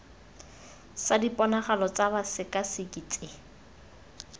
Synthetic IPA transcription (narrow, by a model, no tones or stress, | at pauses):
sadipʼɔnaχalɔt͡sabasɪkʼasikʼit͡sʼɪ